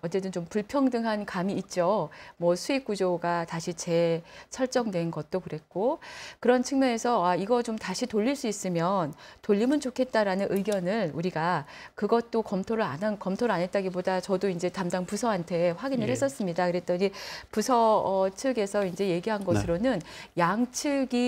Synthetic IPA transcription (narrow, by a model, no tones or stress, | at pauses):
ʌt͡ɕ͈e̞t͈ɯnt͡ɕompuɭpʰjʌŋdɯŋɦankamiːt̚t͡ɕ͈omwʌsʰuik̚k͈ud͡ʑoɡataɕʰit͡ɕe̞sʰʌɭt͡ɕ͈ʌŋdwe̞nɡʌt̚t͈okɯɾe̞k͈okɯɾʌnt͡ɕʰɯŋmʌne̞sʰʌaiɡʌt͡ɕomtaɕʰitoʎːiɭs͈uis͈ɯmjʌntoʎːimɯnt͡ɕokʰe̞t̚t͈aɾanɯnʔɯɡjʌnɯnuɾiɡa | kɯɡʌt̚t͈okʌmtʰoɾɯanankʌmtʰoɾɯɭanɦe̞t̚t͈aɡibodat͡ɕʌdoind͡ʑe̞tamdaŋpusʰʌɦantʰe̞ɸwaɡinɯɭɦhe̞s͈ʌs͈ɯmɲidakɯɾe̞t̚t͈ʌɲipusʰʌʌt͡ɕʰɯɡe̞sʰʌind͡ʑe̞je̞ɡiɦanɡʌsʰɯɾonɯnjaŋt͡ɕʰɯɡi